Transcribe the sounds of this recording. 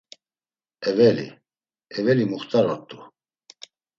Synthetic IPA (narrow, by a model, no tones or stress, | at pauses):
ɛvɛlḭ | ɛvɛlimuχt̪ʼaɾɔt̪ʼːu